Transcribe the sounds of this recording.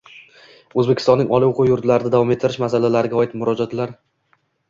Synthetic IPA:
ɵzbekʲɪ̥st̪ɒnːɪŋʔɒlˠɪoqʰʊjːʊɾt̪laɾɪd̪ad̪avɒmet̪ʰːɪɾɪʃmasalalaɾɪɡʲaɒɪt̪mʊɾɒd͡ʒat̪laɾ

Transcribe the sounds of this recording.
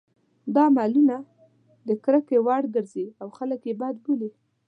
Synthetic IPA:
d̪ɑmɑluna | d̪əkɾəkewɑɽɡəɾziawxaləkjebɑd̪̚buli

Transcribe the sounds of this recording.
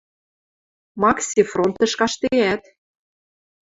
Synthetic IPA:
mɑksʲifront̪ɤ̆ʃkɑʃt̪eæt̪

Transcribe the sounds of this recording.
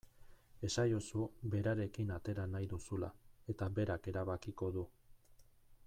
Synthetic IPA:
e̞sajosuβe̞ɾaɾe̞kinat̪e̞ɾanajðusula̰e̞t̪aβe̞ɾake̞ɾaβakiko̞ðu

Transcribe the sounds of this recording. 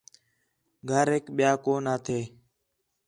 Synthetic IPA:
ɡʱəɾɦeːkɓɪjaːkoːnaːt̪ʰeː

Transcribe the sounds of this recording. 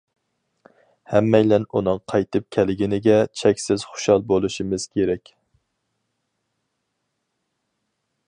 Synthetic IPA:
hɛmːɛjlɛnunɨŋqʰɑjt̪ʰɨp̚kʲʰælɪɡʲinɪɡʲɛt͡ʃʰɛkʲsɪz̥χʊ̥ʃɑlˠbolˠuʃimɨz̥kʲʰeɾɛkʲ

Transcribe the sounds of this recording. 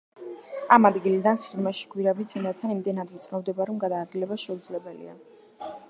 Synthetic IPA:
amad̪ɡilid̪ansχiɾmaʃi̥ɡʰwiɾabit̪ʰɛnɛt̪ʰanimd̪ɛnad̪ɛt̪sʼnɔmd̪ɛbaɾɔmɡad̪aːd̪̚ɡilɛbaʃɛud̪zlɛbɛlḭa̰

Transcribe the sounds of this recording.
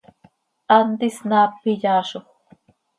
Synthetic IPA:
ant̪ɪsnaːpɪʎaːʃoχ

